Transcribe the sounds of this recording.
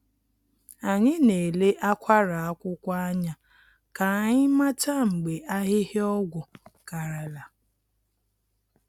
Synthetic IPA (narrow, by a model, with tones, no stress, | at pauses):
a˨ɲɪ˦ne˨le˦ʔa˦kʷa˦ɾa˨a˦kʷʊ˦kʷa˦a˦ɲa˦ | ka˨ɲɪ˦ma˦ta˦ŋ͡m̩˨ɡ͡be˨ʔa˦ɦɪ˦ɦɪ˦ɔ˦ɡʷʊ˨ka˨ɾa˨la˨